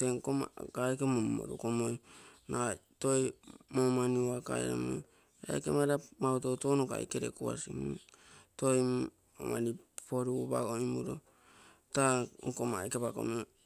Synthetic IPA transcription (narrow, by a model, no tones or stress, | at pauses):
teŋkoma̰ɡaekemommo̰ɾṵkomojna | to̞jmomaniuaka̰ḛɾa̰mo̰j | a̰kemaɾamawtotoːnoka̰jkeɾekua̰sim | to̞j | omanipoɾuba̰ɡoimuɾo | taŋkomajkepako̰me